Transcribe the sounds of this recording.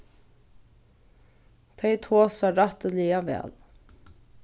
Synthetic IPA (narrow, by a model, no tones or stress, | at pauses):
t̪ʰɛjt̪ʰoːsaɾat̪əliavɛ̰ːl